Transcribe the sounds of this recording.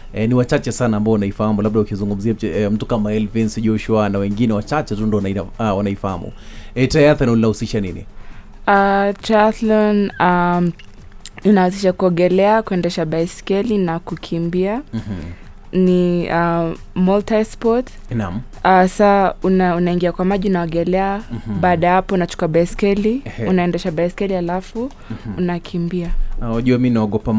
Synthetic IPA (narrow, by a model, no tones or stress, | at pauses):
ɛniwat͡ʃat͡ʃɛsanaːmbaɔwnaifahamulaɓ̚ɗaukizuŋɡum̩ziaɛm̩tukamaɛlvɛnsʄɔʃuanawɛŋɡinɛwat͡ʃat͡ʃɛtundɔwnaiawanaifaha̰mṵɛtajaθanulinahusiʃaninḭ | ataθlɔna | inahusiʃakuɔŋɡɛlɛakuɛndɛʃaɓajskɛlinakukʰimbia | nia | mɔltaspɔt | na | asaunaunaiŋɡiakwamaʄiunaɔɡɛlɛaɓaɗajhapɔunat͡ʃu̥kuaɓaskɛliunaɛndɛʃaɓaɛskɛlihalafu | unakʰimbiaaʄuaminaɔɡɔpa